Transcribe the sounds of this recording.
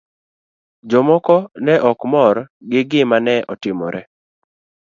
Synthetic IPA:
d͡ʒɔmɔkɔnɛʔɔkmɔɾɡɪɡɪmanɛʔɔtɪmɔ̰ɾɛ

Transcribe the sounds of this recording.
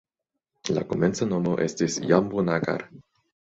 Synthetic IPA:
la̰koment͡sanomoʔest̪esjambunaɡa̰ɾ

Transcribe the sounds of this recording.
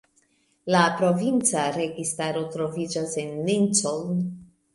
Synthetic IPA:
lapɾo̞vint͡saɾe̞ɡistaɾo̞tɾo̞vid͡ʒasenːint͡soln

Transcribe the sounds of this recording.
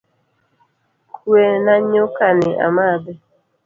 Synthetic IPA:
kʰwenaɲokanɪʔa̰mabɛ

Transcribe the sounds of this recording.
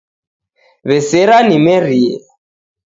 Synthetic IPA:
βɛsɪɾanimeri

